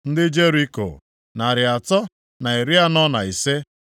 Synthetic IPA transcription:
n̩˦dɪ˦d͡ʒe˦ɾi˦ko̰˨ | na˨ɾɪ˨a˨tɔ˦ | na˨i˨ɾi˦a˦nɔ˦na˨i˨se˦

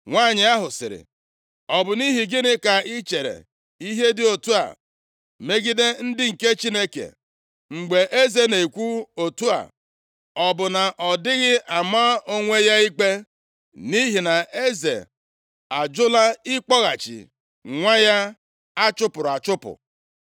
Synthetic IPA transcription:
ŋʷaː˦˨ɲɪ˨a˦ɦʊ˨sɪ̰˨ɾɪ̰˨ | ɔ˨bʊ˨ni˦ɦi˨ɡɪ˦nɪ˦ka˨i˦t͡ʃe˨ɾḛ˨ | i˦ɦe˦dɪ˦o˨tu˦a̰˨ | me˦ɡi˦de˦n̩˦dɪ˦ŋ̩˨ke˦t͡ʃi˦ne˦kḛ˨ | ŋ͡m̩˨ɡ͡be˨ʔe˦ze˨ne˨i˨kʷu˦o˨tu˦a̰˨ | ɔ˨bʊ˨na˨ʔɔ˨dɪ˦ɣɪ˦a˨maː˦o˦ŋʷe˦ja˦i˦k͡pe˦ | ni˦ɦi˨na˨e˦zḛ˨ | a˨d͡ʒʊ˦la˦ɪ˦k͡pɔ˦ɣa˨t͡ʃḭ˨ | ŋʷa˦ja˦ | a˦t͡ʃʊ˦pʊ˨ɾʊ˨a˨t͡ʃʊ˦pʊ̰˨

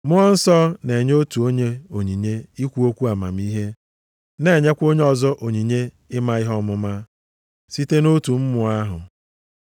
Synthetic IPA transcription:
mʊ˦ɔ˦n̩˦sɔ˦ne˨ɲ˦o˦tu˨o˦ɲe˦o˨ɲi˨ɲe˦i˦kʷu˦o˦kʷu˦a˨ma̰˨m̩˦i˦ɦe˦ | ne˨ɲe˦kʷo˦ɲe˦ɔ˨zɔ˦ʔo˨ɲi˨ɲe˦ | ɪ˦ma˦ɪ˦ɦɔ˦mʊ˦ma˦ | si˦te˦no˦tu˨m̩˦mʊ˨a˦ɦʊ˨

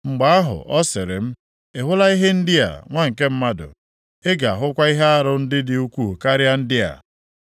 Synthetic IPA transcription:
ŋ͡m̩˨ɡ͡ba˨a˦ɦʊ̰˨ʔɔ˦sɪ˨ɾɪ̰˨m̩˦ | e˨ɦʊ˦la˦i˦ɦe˦n̩˦dɪ˦a̰˨ŋʷa˦ŋ̩˨ke˦m̩˦ma˦dʊ̰˨ | e˦ɡa˨a˨ɦʊ˦kʷa˦i˦ɦe˦a˦ɾʊ˦n̩˦dɪ˦dɪ˨u˦kʷu˦˨ka˦ɾja˦n̩˦dɪ˦a̰˨

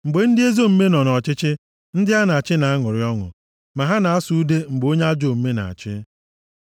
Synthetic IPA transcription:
ŋ͡m̩˨ɡ͡be˨n̩˦dɪ˦e˦zo˦˨m̩˦me˦nɔ˨nɔ˨t͡ʃɪ˦t͡ʃɪ˦ | n̩˦dɪ˦a˦na˨t͡ʃɪ˦na˨a˦ŋʊ˨ɾɪ˦ɔ˦ŋʊ̰˨ | ma˨ɦa˦na˨a˦su˦de˦ŋ͡m̩˨ɡ͡bo˦ɲ˦a˦d͡ʒo˦˨m̩˦me˦na̰˨a̰˨t͡ʃɪ˦

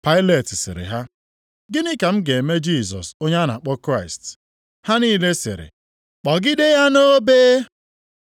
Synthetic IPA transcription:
pa˦ɪ˦le˨tɪ˨sɪ̰˨ɾɪ̰˨ɦa˦ | ɡɪ˦nɪ˦ka˨m̩˦ɡe˨me˦d͡ʒi˦˨sɔ̰˨so˦ɲe˦a˦na̰˨k͡pɔ˦kɾa˦˨ɪ˨st | ha˦niː˦˨le˦sɪ̰˨ɾɪ̰˨ | k͡pɔ˨ɡɪ˦de˦ja˦no˦beː˦

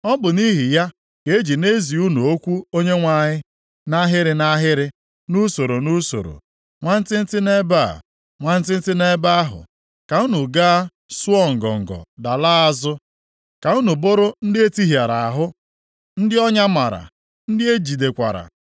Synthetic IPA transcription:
ɔ˦bʊ˨ni˦ɦɪ˨ja˦ | ke˨˦e˦d͡ʒi˨ne˦zi˨u˦nu˨o˦kʷu˦o˦ɲe˦ŋʷa˦˨ɲɪ˦ | na˦ɦɪ˦ɾɪ˦na˦ɦɪ˦ɾɪ˦ | nu˦so˨ɾo˨nu˦so̰˨ɾo̰˨ | ŋʷa˦n̩˦tɪ˦n̩˦tɪ˦ne˦ba̰˦˨ | ŋʷa˦n̩˦tɪ˦n̩˦tɪ˦ne˦ba˦a˦ɦʊ̰˨ | ka˨u˦nu˨ɡa˦a˦ | su˦ɔ˦ŋ̩˨ɡɔ̰˨ŋ̩˨ɡɔ̰˨da˨laː˦a˦zʊ˦ | ka˨u˦nu˨bo˦ɾʊ˦n̩˦dɪ˦e˦ti˦ɦja˨ɾa˨a˨ɦʊ˦ | n̩˦dɪ˦ɔ˦ɲa˦ma˨ɾa̰˨ | n̩˦dɪ˦e˦d͡ʒi˨de˨kʷa̰˨ɾa̰˨

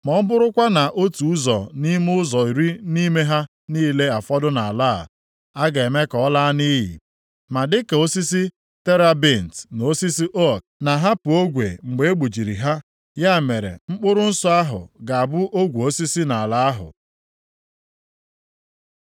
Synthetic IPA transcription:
mɔ˨˦m̩˦bʊ˦ɾʊ˦kʷa˦na˨ʔo˦tu˨u˦zɔ̰˨ni˦m˦ʊ˦zɔ˨i˨ɾi˦ni˦me˦ɦa˦ | niː˦le˦a˨fɔ˦dʊ˦na˨a˨la̰˦˨ | a˦ɡa˨e˨me˦kɔ˨˦la˦ni˦ɦḭ˨ | ma˨dɪ˦ke˨o˦si˦si˦ | te˦ɾa˦bi˦˨n̩˨tn˨o˦si˦si˦ʔo˦k̚na˨ɦa˦pʊ˨o˦ɡʷḛ˨ŋ͡m̩˨ɡ͡be˨e˦ɡ͡bu˨d͡ʒi˨ɾi˨ɦa˦ | ja˦˨me˨ɾḛ˨ŋ͡m̩˦k͡pʊ˦ɾʊ˦n̩˦sɔ˦a˦ɦʊ̰˨ɡa˨a˨bʊ˦ʔo˦ɡʷu˨o˦si˦si˦na˨la˦a˦ɦʊ̰˨

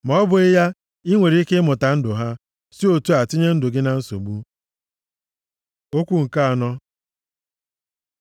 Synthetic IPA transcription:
mɔ˨˦ɔ˦bʊ˨ɪ˦ja˦ | i˦ŋʷe˨ɾi˨˦i˦ke˦mʊ˨ta˨n̩˦dʊ˨ɦa˦ | si˦o˨tu˦a˨tɪ˦ɲe˦n̩˦dʊ˨ɡɪ˦na˨n̩˦so̰˨ɡ͡bu˦ | o˦kʷu˦ŋ̩˨ka˦a˨nɔ˦

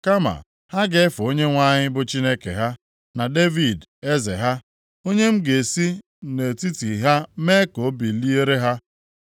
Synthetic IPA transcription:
ka˦ma̰˨ | ha˦ɡe˦fʊ˨o˦ɲe˦ŋʷa˦ɲɪ˦bʊ˦t͡ʃi˦ne˦kḛ˨ɦa˦ | na˨de˦vi˨de˦zḛ˨ɦa˦ | o˦ɲe˦m̩˦ɡe˨si˦ | ne˨ti˦ti˨ɦa˦me˦ko˨˦bi˨li˦e˦ɾe˦ɦa˦

